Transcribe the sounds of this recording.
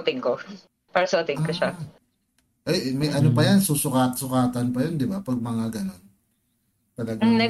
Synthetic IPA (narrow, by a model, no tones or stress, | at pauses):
t̪ɪŋko | paːɾɐsoːt̪ɪŋkoʃa | ʔɐjmɐjʔɐnopɐjɐnsusʊkaːt̪sʊkaːt̪ɐnpɐjond̪ɪbapɐɡ̚mɐŋaɡɐno̞n | t̪ɐlɐɡnɛ